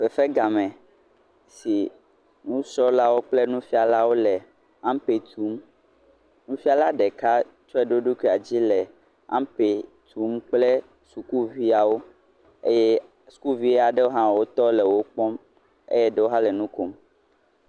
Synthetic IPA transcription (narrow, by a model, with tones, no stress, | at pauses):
fɛ˨fɛ˦ɡa˨mɛ̃˨ | si˨ | nũ˦sɔ˦la˦wo˦k͡ple˦nũ˦fi˦a˨la˦wo˦lɛ˨ | ã˦m˦pe˨t̪ʰu˨˦m | nũ˦fi˦a˨la˦ɖɛ˨ka˦ | t͡ʃɔ˦ɛ˦ɖo˦ɖo˦ki˦˨a˨d͡ʑi˦lɛ˨ | ã̰˦mpe˨ | t̪ʰu˨˦mk͡plɛ˦ | su˨ku˦vi˦a˨wo˦ | ḛ˦jɛ˦ | su̥˨ku˦vi˦e˦a˨ɖe˦wo˦ɦã˦˨wo˦t̪ɔ˦lɛ˨wo˦k͡pɔ˦m | ḛ˦jɛ˦ɖe˦wo˦ɦã˦lɛ˨nũ˦ko˦m